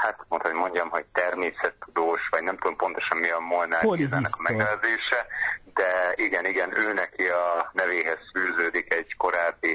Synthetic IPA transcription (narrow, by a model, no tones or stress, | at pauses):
hat̪mont̪ho̞ɟmo̞ɲɟɒmɦo̞ɟ̚t̪ɛrmeːsɛt̪ːud̪oːʃʋɒɟnɛmt̪ud̪ompo̞nt̪o̞ʃɒmmiɒmːolnaːjizɛnːɛkɒmɛɡɛlɛzeːʃɛd̪ɛiɡɛniɡɛnøːnɛkiɒnɛveːɦɛz̥fyːzøːd̪ikɛɟ̥ko̞ɾaːbːi